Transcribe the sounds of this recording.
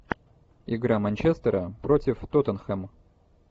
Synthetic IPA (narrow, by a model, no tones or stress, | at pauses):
ɪɡɾamɐnʲt͡ɕest̪əɾəpɾotʲɪft̪ot̪ənxɛm